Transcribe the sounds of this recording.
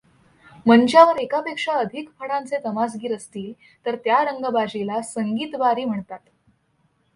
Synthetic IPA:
mənt͡ɕjaʋəɾekapekʂaəd̪ʱikfəɽãnt͡set̪əmas̬ɡiːɾəst̪iːl | t̪əɾt̪jaɾəŋɡəbad͡ʑilasəŋɡiːt̪ʋaɾiːm̤əɳt̪at̪

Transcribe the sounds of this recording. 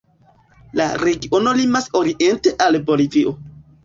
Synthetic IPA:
la̰ɾe̞ɡiʔo̞no̞limaso̞ɾiʔe̞nte̞ʔalbo̞liviʔo̞

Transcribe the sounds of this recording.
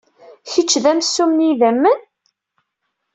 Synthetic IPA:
çət͡ʃːðæmsːumniðæmːən

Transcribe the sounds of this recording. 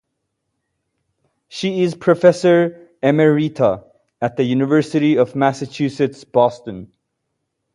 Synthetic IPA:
ʃiɪzpʰɹ̥ɨfɛsə˞ | ɛməɹitʰə | ɨt̪̚ðɨjʉnɨvɜ˞sɨɾiʌvmæsɨt͡ʃʰʉsɨtsb̥ɔstɨ̃n

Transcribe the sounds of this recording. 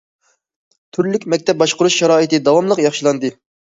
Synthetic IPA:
t̪ʰyɾlykʲmɛk̚ʲt̪ʰɛp̚bɑʃqʊɾuʃʃɑɾɑːit̪ɨd̪ɑwɑmlˠəqjɑχʃilˠɑnd̪ɨ

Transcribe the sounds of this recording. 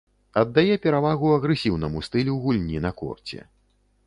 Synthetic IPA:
ɐd̪ːajɛpʲɛɾavaɣuɐɣɾɨsʲiwnɐmust̪ɨlʲɛwɣulʲnʲinɐkɔ̰rt͡sʲɛ̰

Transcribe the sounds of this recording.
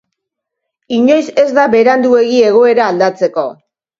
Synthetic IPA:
iɲo̞jse̞zd̪aβe̞ɾand̪ue̞ɣie̞ɣ̞o̞e̞ɾaːld̪at͡se̞ko̞

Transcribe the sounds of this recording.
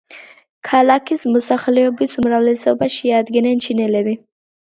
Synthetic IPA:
kʰalakismʊsaxlobisumɾawlisawbaʃijad̪ɡinent͡ʃʰinelebi

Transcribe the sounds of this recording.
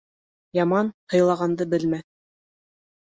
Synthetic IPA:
jɑmɑnhɤ̆jlˠɑʁɑnd̪ɤbɘlmæθ

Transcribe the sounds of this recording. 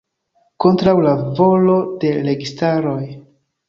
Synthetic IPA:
ko̞ntɾawlavo̞lo̞de̞ɾe̞ɡistaɾo̞j

